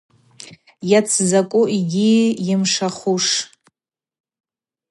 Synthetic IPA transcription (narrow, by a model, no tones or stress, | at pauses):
jat͡sʰzakʷʼʊʔiɡʲijɪmʂaχuʂ